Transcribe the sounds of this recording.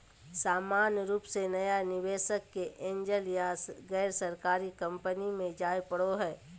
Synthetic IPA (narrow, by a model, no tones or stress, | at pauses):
saːmaːnjəɾuːpsenɐjanɪʋeːʃəkːeʔẽːɲd͡ʒəljaɡɛːɾsəɾkaːɾikə̃mpənimẽd͡ʒaːjpəɽoɦɛː